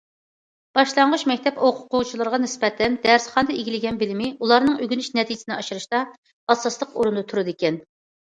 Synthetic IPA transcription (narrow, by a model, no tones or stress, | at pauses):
b̥ɑʃlˠɑɴʁʊʃmɛkʲt̪ʰɛpoqʰʊqʰʊwt͡ʃʰilˠɨɾʁɑnɪspɛt̪ʰɛnd̪æɾsχɑnd̪ɑeɡʲilɪɡʲɛnbɪlɪmɪulˠɑɾnɨŋøɡʲynyʃnɛt̪ʰid͡ʒɪsnɪɑʃɨɾɨʃt̪ɑ | ɑsːɑslˠəqoɾund̪ɨt̪ʰuɾɨd̪ɪkʲɛn